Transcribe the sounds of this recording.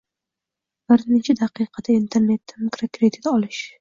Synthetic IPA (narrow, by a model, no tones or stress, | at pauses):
b̥ɪɾnɪt͡ʃʰad̪aqʰɨjqʰɑd̪aint̪ʰe̞ɾne̞t̪ːɪmikɾokɾed̪ɪt̪ɒlɪʃ